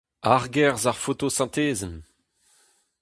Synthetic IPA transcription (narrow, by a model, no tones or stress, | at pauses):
aʁɡɛʁzaʁfot̪osɑ̃t̪eːzəm